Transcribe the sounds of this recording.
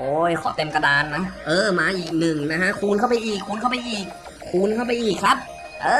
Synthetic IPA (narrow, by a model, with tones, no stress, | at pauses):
ʔoː˨˧˩jkʰɔ̰ː˨˩˦t̪e˧mka˧daː˧nːa˦˥ʔɤː˧˩maː˧ʔiː˨˩k̚nɯ˨˩ŋna˦˥kʰa˦˥ʔkʰuː˧nkʰa˥˩wpa˧jʔiː˨˩kʰːuː˧nkʰa˥˩wpa˧jʔiː˨˩k̚ʰː | uː˧nkʰa˥˩wpa˧jʔiː˨˩kʰːa˦˥p̚ | ʔɤː˧˩